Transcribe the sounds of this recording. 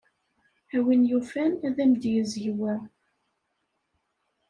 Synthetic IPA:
æwinjufænæðæmd̪jəzʝiwæ

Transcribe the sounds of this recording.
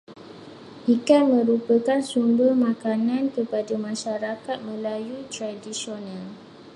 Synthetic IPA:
ʔikanmə̃ɾupəkansumbərmãkanãnkəpadamãʃaɾakat̪̚mə̃lajut̪ɾadisionãl

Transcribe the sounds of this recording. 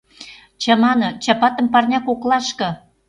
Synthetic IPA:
t͡ɕɑmɑnɤt͡ɕɑpɑt̪ə̆mpɑrnʲɑkoklɑʃkɤ̆

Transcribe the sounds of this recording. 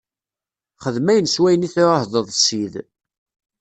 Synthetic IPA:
χəðmæjənswæjəniθɪɾhðˤəðˤsið

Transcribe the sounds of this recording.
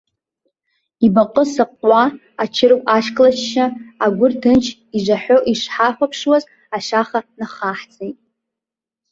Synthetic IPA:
ibaqʼəsɨqʼʷa | at͡ʃʰɪɾɨkʷʼaʃkʰʼlat͡ʃʰʃaːɡʷʊrdɨnt͡ʃʰ | iʐʷaħʷᶣo̞ʔiʂħaħʷapʰʂwaz | aʃaχanaχaħt͡sʰʼejtʼ

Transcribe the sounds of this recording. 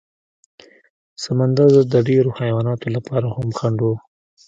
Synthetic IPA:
samand̪aɾd̪əd̪əɖeɾohajwɑnɑt̪olapɑɾahamxaɳɖo

